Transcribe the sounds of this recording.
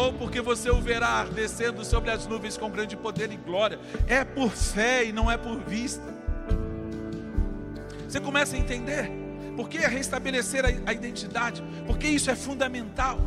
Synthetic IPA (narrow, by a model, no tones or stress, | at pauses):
owpoɾkevoseoveɾaaɾd̪esẽnd̪ʊsobɾɪɐznuvẽj̃skõw̃ɡɾɐ̃d͡ʒɪpod̪eɾɪ̃ɡlɔɾiɐɛpoɾfɛinɐ̃w̃ɛpoɾvist̪ɐ | vosekõmɛsɐẽnt̪ẽnd̪eɾ | poɾkeɛɦest̪abeleseɾɐɐid̪ẽnt͡ʃid̪ad͡ʒɪ | poɾkeisʊɛfũd̪ɐmẽnt̪aw